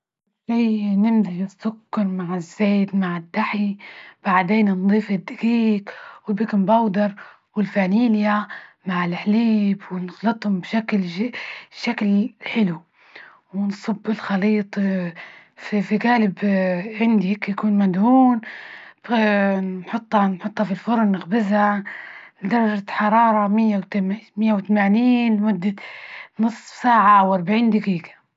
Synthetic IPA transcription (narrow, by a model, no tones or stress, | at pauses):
ʃijnɪmziɪsːʊkːɑɾˤmaʕɪzːeːt̪maʕɪd̪ːaħib̥aʕd̪eːnnd̪ˤiːfɪd̪ːakiːkwɪbikɪmbɑwd̪ɑɾˤ | wɪlfaniːljamaʕɪlħliːbwɪnɪɣlɨt̪ˤhʊmbʃakl | ʃaklħɪlu | wɪnsˤɨbːɪlxɑliːt̪ˤ | fifiɡaːlɪbʕɪnd̪ihikjakuːnmad̪huːnbnħʊt̪ˤːɑnħʊt̪ˤːhɑfilfʊɾˤnːɪxbɪzhalɪd̪ɑɾˤːɑʒaħɑɾˤɑːɾˤɑmɪjːawt̪mɪjːawt̪amaːniːnmʊd̪ːanɨsˤːfsaːʕawɑɾˤbaʕiːnd̪aɡiːɡḁ